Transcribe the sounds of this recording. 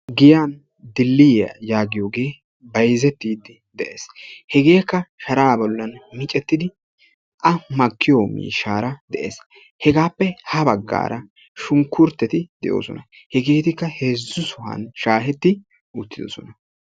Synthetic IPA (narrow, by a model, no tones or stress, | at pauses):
ɡɪjaːn | d̪ɪlːɪjɐ̰jaːɡɪjoːɡe̞ː | bɐjzɛt̪ːiːd̪ɪ | d̪ɛʔḛːshɛɡe̞ːkːɐʃɐɾaːbɔlːɐnmɪt͡ʃʼɛt̪ːɪd̪ɪ | ʔɐmɐkːɪjoːmḭːʃːaːɾɐd̪̥ɛʔḛːs | hɛɡaːpːɛhɐbɐɡːa̰ːɾɐ | ʃʊŋkːʊɾt̪ːɛt̪ɪd̪̥ɛ̰ʔo̰ːsɔ̰nɐ | hɛɡe̞ːt̪ɪkːɐhe̞ːzːʊsʊhɐ̰nʃaːɦɛt̪ːɪ | ʊt̪ːɪd̪ɔsɔnɐ